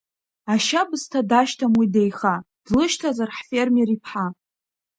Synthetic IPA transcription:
aʃabɨstʰadaʃtʰamwidejχad̥lɨʃtʰazarħfe̞rmeripʰħa

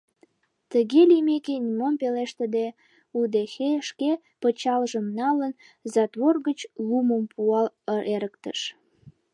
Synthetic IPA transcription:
t̪əɣelimekenʲimompeleʃt̪əd̪e | ud̪exeʃke | pət͡ɕɑlʒəmnɑlən | zɑt̪βorɣət͡ɕluməmpuɑləeɾəkt̪ə̰ʃ

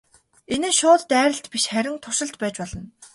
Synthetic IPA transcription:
enɘ̆ʃʊːt̪ːæːɾʲə̆ɬt̪piʃχæɾʲɪ̆ŋt̪ʰʊrʃɪ̆ɬt̪pæːt͡ɕpɔɮɞ̆n

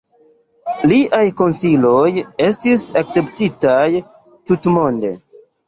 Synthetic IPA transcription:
liʔajko̞nsilo̞je̞stisak̚t͡se̞ptitaj | tutmo̞nde̞̰

